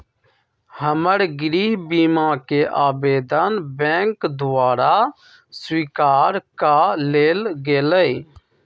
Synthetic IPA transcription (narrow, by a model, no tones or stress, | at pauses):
həməɽɡɾiːɦbiːmãːkeːʔaːbeːd̪ənbɛ̃ːŋkd̪ʊʋaːɾaː | swiːkaːɾkaleːlɡeːləi